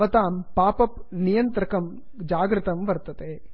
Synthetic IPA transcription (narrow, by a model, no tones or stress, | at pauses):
ɐt̪aːmpaːpɐpnɪjɐnt̪ɾɐkɐm | d͡ʒaːɡɾɪt̪ɐmʋɐɾt̪ːɐt̪eː